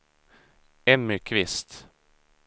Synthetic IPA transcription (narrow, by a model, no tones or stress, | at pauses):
ɛmʏkʰʋɪst̪